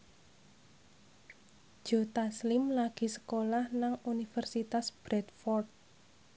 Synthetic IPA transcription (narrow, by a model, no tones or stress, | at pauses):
d͡ʒ̥ot̪aslɪmlaɡ̥i̤sə̥kolahnaŋunifərsit̪asb̥ɾɛt̪̚fɔrt̪̚